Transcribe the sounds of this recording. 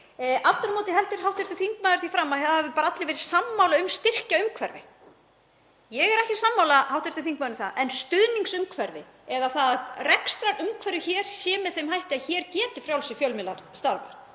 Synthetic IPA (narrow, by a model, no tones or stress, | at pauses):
aft̪ʏɾmɔːt̪ɪɦɛlt̪ɪɾ̥hɦawht̪ɛɾ̥t̪ɪθiŋkmaːðʏɾ̥θifɾamːahɛðahɛvɪpaːɾaat̪lɪvɛːɾɪ̥samːawlaʏmst̪ɪr̥caʏmkʰvɛɾðɪ̰ | jɛɣɛɾɛhcɪsamːawlahawht̪ɛɾ̥t̪ɪθiŋk̚maːɾnʏmθaðʔɛnst̪ʏðniŋksʏmkʰvɛɾðɪ̰ | ɛðaθaðrɛkst̪ɾaɾʏmkʰvɛɾðʏçɛːɾ̥sjɛːmɪðθejmhajht̪ɪaçɛːɾcɛːt̪ɪfɾjawlsɪfjœlmɪla̰ɾ̥st̪aɾva̰ɾ̥